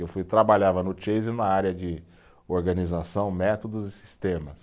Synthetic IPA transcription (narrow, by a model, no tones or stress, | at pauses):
ewfujt̪ɾabaʎavɐnʊt͡ʃejzɪnɐaɾjɐd͡ʒɪ | oɾɡɐnizasɐ̃w̃mɛt̪od̪ʊzɪsi̥st̪ẽmɐs